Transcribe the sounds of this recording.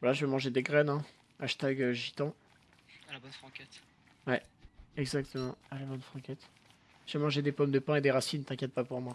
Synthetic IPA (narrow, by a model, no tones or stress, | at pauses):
valaʒəvɛmɑ̃ʒed̪eɡʁɛnɛ̃ | aʃt̪aɡəʒit̪ɑ̃ | alabɔnfχɑ̃kʲɛt̪ | wɛɛɡzak̚t̪ʰəmɑ̃alabɔnfχɑ̃kʲɛt̪ | ʒəvɛmɑ̃ʒed̪epɔmd̪əpɛ̃ed̪eʁasint̪ɛ̃kʲjɛt̪̚papuʁmwa